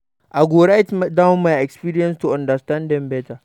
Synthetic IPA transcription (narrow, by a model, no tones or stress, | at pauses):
ʔaɡoːɽajtmdamajɛkspiːɾijɛnstuʔandɐstandɛmbɛːta